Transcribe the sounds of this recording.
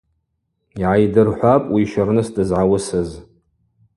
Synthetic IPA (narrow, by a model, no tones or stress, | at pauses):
iʕajdɨrħʷapʼwiʃarnɨsdʼɨzʕawʊsɨz